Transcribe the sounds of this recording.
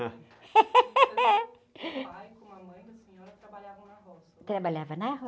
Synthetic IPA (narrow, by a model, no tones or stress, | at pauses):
ajkõɐmɐ̃j̃d̪ɐsĩɔɾɐt̪ɾabaʎavɐ̃w̃nɐhɔst̪ɾabaʎavɐnɐɦɔ